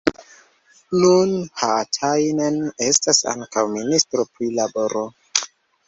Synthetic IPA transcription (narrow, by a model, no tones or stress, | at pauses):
nunhatʰajnene̞stasa̰ŋkawministɾopɾilabo̞ɾʔo